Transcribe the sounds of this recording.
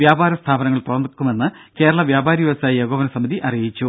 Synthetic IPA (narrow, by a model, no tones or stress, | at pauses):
jaːbaːɾɐst̪ʰaːbɐnɐŋːɐɭp̪urɐnkːumenːɨ | ke̞ːɾɐɭɐʋjaːbʱaːɾijʋiʋɐsaːjijeɣoːʋɐnɐsɐmiðiʔɐrijit͡ɕːu